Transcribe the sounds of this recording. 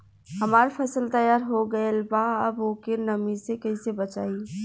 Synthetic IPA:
hɐmaːɾfʰɐsəlt̪ɐjaːɾɦoɡɐelbaɐboːkenɐmisekɐisebɐt͡ʃaːi

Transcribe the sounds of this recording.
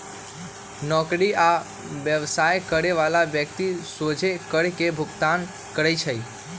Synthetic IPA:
nɔkɽia | ʋjəʋsajkəɽeʋalaʋjək̚t̪isod͡ʒʱekəɽkebʱʊɡt̪an | kəɾajt͡ʃʰəj

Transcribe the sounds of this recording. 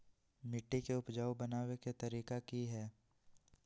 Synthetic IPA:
mɪʈːikeʊpd͡ʒaːwbɐnaːweket̪ɐɾiːkakiɦɛː

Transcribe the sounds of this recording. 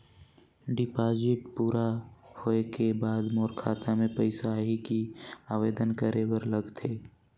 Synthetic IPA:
ɖɪpaːd͡ʒɪʈ̚puːɾahoekebaːd̪moːɾkʰaːt̪amẽpəɪsaɦikiaːʋeːd̪ənkəɾewəɾləɡt̪ʰeː

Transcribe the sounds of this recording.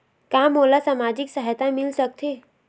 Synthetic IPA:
kãːmoːlasamaːd͡ʒɪksaɦjt̪ãmɪlsək̚t̪ʰe

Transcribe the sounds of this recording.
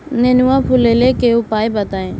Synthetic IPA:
nenuãːpʰuleːleːkeːoːpaːebət̪aːẽː

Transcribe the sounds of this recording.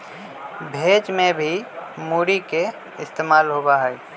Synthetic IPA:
bʱeːd͡ʒmẽbʱimuːɾike | ɪst̪eːmaːlɦobaɦɛː

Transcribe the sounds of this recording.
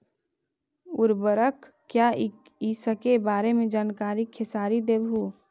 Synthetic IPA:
ʊɾbəɾək | kːja | isəkebaːɾemẽd͡ʒaːnkaːɾikʰːesaːɾid̪eːbʱu

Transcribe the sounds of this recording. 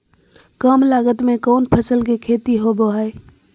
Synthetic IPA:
kəmlaːɡət̪mẽkoːnpʰəsəlkekʰeːt̪iɦoboɦəe

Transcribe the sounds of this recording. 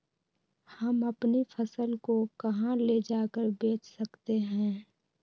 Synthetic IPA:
həməpnifʰəsəlkokɐɦãled͡ʒaːkəɾbeːt͡ʃsəkt̪eɦɛ̃ː

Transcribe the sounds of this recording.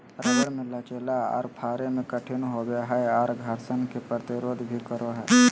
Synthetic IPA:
ɾəɡəɽmɪlːat͡ʃeːlaɔ̰ːɾpʰaːɾemẽkəʈʰɪnɦobeɦɛɔːɾɡʱəɾsənkepɾət̪ɪɾoːd̪bʱikəɾoɦɛː

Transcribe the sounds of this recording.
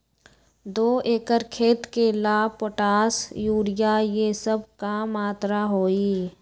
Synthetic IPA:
d̪oːeːkəɾkʰeːt̪kelaːpoʈaːsjuːɾɪjajesəbkamaːt̪ɾaɦoːiː

